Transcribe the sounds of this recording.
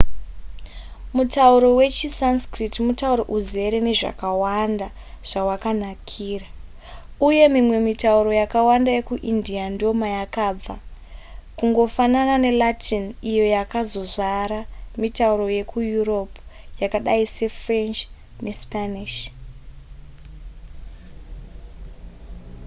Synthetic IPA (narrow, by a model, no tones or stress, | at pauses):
mutauɾo̞we̞t͡ʃisanskritimutauɾoʔuze̞ɾe̞ne̞ʐa̰kawanda | ʐ̥awakanakʰiːra | uje̞mimwe̞mitauɾo̞jakawandaje̞kuʔindiando̞majakab͡va | kuŋɡo̞fananane̞latʰinijo̞jakazo̞zaɾamitauɾo̞je̞kujuro̞p | jakaɗaise̞frent͡ʃ | ne̞spaniʃ